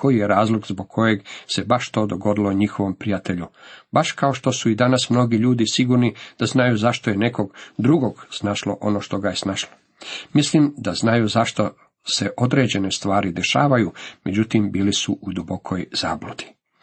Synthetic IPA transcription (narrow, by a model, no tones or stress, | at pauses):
kʰo̞jijeɾaːzlˠoɡzboɡ̚kʰo̞je̞ɡse̞baʃt̪o̞ːd̪o̞ɡo̞d̪ilˠoɲixoʋo̞mpɾijat̪e̞ʎubaʃkao̞ʃt̪o̞suid̪anasmno̞ɡiʎuːd̪isiɡuɾnid̪̥aznajuzaʃt̪oje̞ne̞ko̞ɡd̪ɾuɡo̞ɡsnaʃlo̰ʔo̞noːʃt̪o̞ɡaje̞snaːʃlˠo | mislimd̪aznajuzaʃt̪o̞ | se̞ʔo̞d̪ɾe̞ːd͡ʑe̞ne̞st̪ʋaːɾid̪e̞ʃa̰ːʋajume̞d͡ʑut̪imbiːlisuʔud̪ubo̞kʰojz̥a̰ːblud̪̥i̥